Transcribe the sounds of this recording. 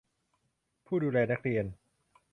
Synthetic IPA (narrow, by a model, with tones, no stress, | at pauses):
pʰuː˥˩duː˧lɛː˧na˦˥k̚ɾi˧ən